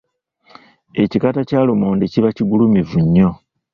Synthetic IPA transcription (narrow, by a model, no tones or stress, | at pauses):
e̞cikatacaːlomoːndiciβaciɡulumivuɲːo̞